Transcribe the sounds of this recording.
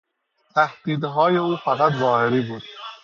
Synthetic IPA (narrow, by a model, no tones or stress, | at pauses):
t̪ʰæhd̪̥iːd̪ɦɒːje̞uːfæɣæd̪zɒːheɾiːbuːd̪̥